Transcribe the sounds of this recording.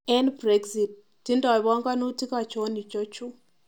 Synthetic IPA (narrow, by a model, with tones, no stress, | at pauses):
ɛ˦nbɾɛ˦ɡzi˨t̚ːi˦nda˨βa˦ŋɡa˦nu˦ti˦ka˨t͡ʃɔ˦ni˨t͡ʃɔ˦t͡ʃu˦